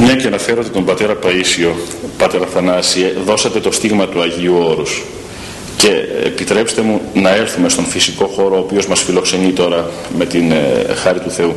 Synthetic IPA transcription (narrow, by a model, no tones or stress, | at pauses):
mɲɐceɐnɐfe̞ɾod̪et̪o̞mbɐt̪e̞ɾɐpɐisio̞ | pɐt̪e̞ɾɐθɐnɐsieðo̞sɐt̪e̞t̪o̞st̪iɣmɐt̪uɐʝiuo̞ɾus | ce̞ḛpit̪ɾe̞pst̪e̞munɐe̞lθume̞st̪o̞nfisiko̞xo̞ɾoːpio̞zmɐsfilo̞kse̞nit̪o̞ɾɐ | me̞t̪inxɐɾit̪uθe̞u